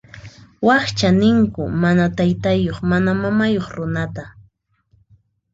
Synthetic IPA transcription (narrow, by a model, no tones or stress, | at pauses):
wɑχt͡ʃanɪŋkʊmanat̪ajt̪ajoχmanamamajoχɾʊnat̪a